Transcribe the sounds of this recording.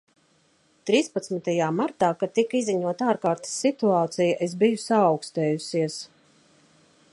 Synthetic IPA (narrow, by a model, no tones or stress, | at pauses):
t̪ɾiːspat̪smit̪ajaːmaɾt̪aːkat̪ikizːiɲuɔt̪aːɾkaːɾt̪i̥sːit̪uaːt̪sijaʔesbijusaːwkst̪ɛːjusʲiɛs